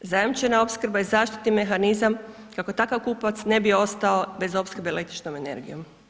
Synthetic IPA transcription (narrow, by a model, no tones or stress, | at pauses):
zajamt͡ʃenao̞pskɾbaizaːʃt̪it̪nime̞xanizam | kako̞t̪akaʋkuːpaʋat̪sne̞bio̞st̪ao̞be̞zo̞pskəɾbeele̞k̚t̪ɾi̥t͡ʃno̞me̞ne̞̰ɾɡḭjo̞m